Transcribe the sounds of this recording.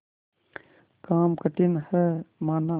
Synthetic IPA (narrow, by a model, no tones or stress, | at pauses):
kaːmkəʈinhɛmaːna